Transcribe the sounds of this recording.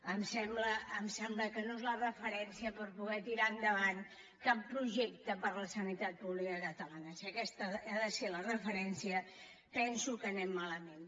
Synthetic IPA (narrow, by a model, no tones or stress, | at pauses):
əmsɛmbləːmsɛmbləkənoezlərəfəɾɛnsiəpəɾpuɣ̞ɛt̪iɾaənd̪əβan | kapːɾuʒɛk̚t̪əpəɾləsənit̪at̪̚puβlikəkət̪əlanəsiəkɛst̪əaðəselərəfəɾɛnsiə | pɛnsukənɛmːaləmen